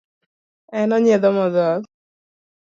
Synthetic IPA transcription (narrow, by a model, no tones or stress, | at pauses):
ɛnɔɲeðɔmɔðɔ